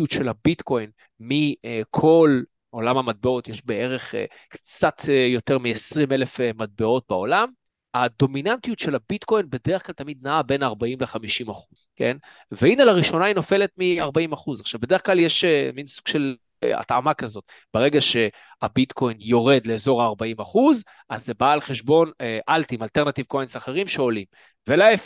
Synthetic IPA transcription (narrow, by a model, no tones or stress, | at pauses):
utʃe̞labitko̞jn | mikʰo̞l | o̞lamhamat̚beo̞tjeʃbee̞ʁe̞χḛ | kt͡sat̪ʰejo̞teʁmiesʁime̞lefemad̚beo̞t̚beo̞lam | ad̪o̞minantijutʃelabitko̞jnbe̞deʁeχklalt̪amid̪̚naabe̞naʁbaimleχamiʃimaχuzke̞̰n | veinalaʁiʃo̞naino̞fe̞le̞t̪miaʁbaimaχuzaχʃavbed̪e̞e̞χklaljeʃeminsuɡ̥ʃe̞l̰ | a̰t̪ʕa̰makazo̞t̚ | b̥eʁeɡaʃe̞ | abit̪kʰo̞jnjo̞ʁe̞d̪le̞ːzo̞ʁaːʁbaimaχuz | ʔazːebaːlχeʃbo̞neʔalt̪imalteʁnat̪ivkoinsaχe̞ʁimʃe̞o̞lim | velaef